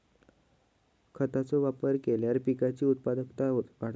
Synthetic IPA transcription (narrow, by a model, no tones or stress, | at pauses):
kʰət̪at͡soʋapəɾkeljaɾpikat͡ɕiːut̪̚pad̪əkt̪aʋaɽ